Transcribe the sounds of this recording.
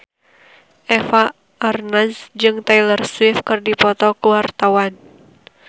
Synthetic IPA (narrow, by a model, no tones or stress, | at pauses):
ʔɛfa | ʔːrnasd͡ʒɨŋt̪ailərswifkɨrdipɔt̪ɔkuwart̪awan